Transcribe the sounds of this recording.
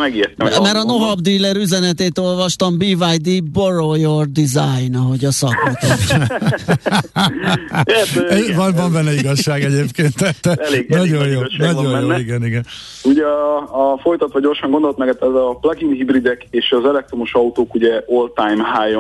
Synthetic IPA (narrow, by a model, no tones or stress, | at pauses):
mɛɡiɛt̪ːɛmɛɾɒno̞ɦɒbd̪iːlːɛɾyzɛnɛt̪eːt̪o̞lvɒʃt̪ɒmbiːvajd̪iborojord̪izajnɒɦo̞ɟɒsɒkmit̪o | vɒnvɒmbɛnːɛiɡɒʃːaːɡɛɟeːpkeːnt̪ːɛt̪ːɛnɒɟojjoːnɒɟojjoːiɡɛniɡɛn | uɟɛ | fo̞jt̪ɒt̪ʋɒɟo̞rʃɒŋɡo̞nd̪olt̪mɛɡɛt̪ɛzɒplɒɡinhibrid̪ɛkeːʃɒzɛlɛk̚t̪ɾo̞moʃɒut̪oːkuɟɛolt̪ajmɦaːjo